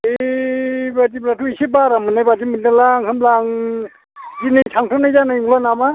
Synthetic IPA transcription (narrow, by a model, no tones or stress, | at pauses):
e | bad͡ʒibɾatʰuisibaɾamɯnajbad͡ʒimindalaŋhɯmlaŋ | d͡ʒinisʰaŋtʰɯnajzanaŋlanama